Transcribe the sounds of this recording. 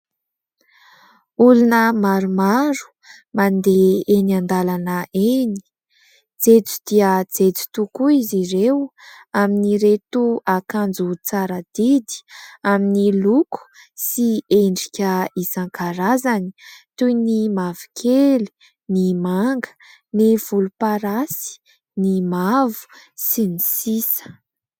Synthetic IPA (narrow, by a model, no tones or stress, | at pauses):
ulunəmaɾumaɾu̥ | mand̪eenand̪alanəeni̥ | d͡zet͡su̥d̪iəd͡zet͡su̥t̪ukuizirew | aminiɾet̪uakand͡zut͡saɾəd̪̥id̪i̥aminiluku̥sieɳɖ͡ʐikʲəisaŋkaɾazani̥t̪ujnimavi̥kʰeli̥ | nimaŋɡə̥ | nev̥ulupaɾasi̥ | nimavu̥sinisisə̥